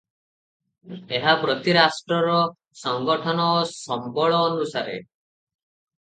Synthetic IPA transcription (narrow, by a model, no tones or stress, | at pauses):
eɦabɾɔt̪iɾasʈɾɔɾɔ | sɔŋɡɔʈʰɔnɔːsɔmbɔɭɔːnusaɾḛ